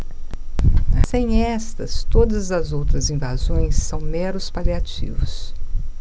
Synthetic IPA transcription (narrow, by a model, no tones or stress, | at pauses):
sẽj̃ɛst̪ɐst̪od̪ɐzɐzowt̪ɾɐzĩvazõj̃sːɐ̃w̃mɛɾʊspaliat͡ʃḭvʊs